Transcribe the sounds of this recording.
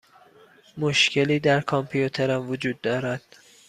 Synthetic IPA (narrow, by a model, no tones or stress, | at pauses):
moʃcʰe̞liːd̪æɾkʰɒmpʰijut̪ʰeɾæmvod͡ʒuːd̪ːɒːɾæd̪̥